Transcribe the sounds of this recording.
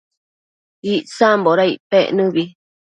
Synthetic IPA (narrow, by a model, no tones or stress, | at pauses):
iʔsamboɾaiʔpeʔnɨ̃βi